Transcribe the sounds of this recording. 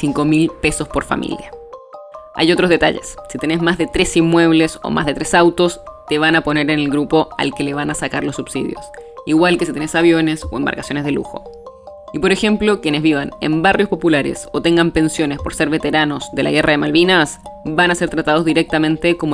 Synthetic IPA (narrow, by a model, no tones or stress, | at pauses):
siŋko̞milpe̞so̞spo̞ɾfa̰mʔḭlja | a̰jo̞t̪ɾozðe̞t̪a̰ʝḛsːit̪e̞ne̞zmazðet̪ɾesimmːwe̞β̞leso̰ma̰zðe̞t̪ɾesawt̪o̞st̪eβanapo̞ne̞ɾenelɣɾupo̞a̰lkeleβanasakaɾlosːubsḭðjo̞̰siɣwalkesit̪enesaβjo̞ne̞soemba̰ɾkḁsjo̞nezðelṵxo̞̰ | ipo̞ɾexe̞mplo̞kje̞ne̞zβiβanḛmbarjospo̞pulaɾḛsot̪e̞ŋɡampe̞nsjo̞nespo̞ɾse̞ɾβe̞t̪e̞ɾano̞sðe̞la̰ɣe̞raðemalβinas | banase̞ɾt̪ɾat̪að̞ozðiɾek̚t̪amẽnt̪ekom